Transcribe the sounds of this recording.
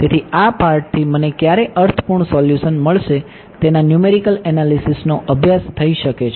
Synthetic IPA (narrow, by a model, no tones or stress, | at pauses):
t̪et̪ʰiapaɾʈ̚t̪ʰimənekjaɾeʔəɾt̪ʰə̥puɳsɔljusənməɭʃe | t̪enanjumeɾikəlɛnalisisnoʔəbʱjast̪ʰəiʃəket͡ʃʰ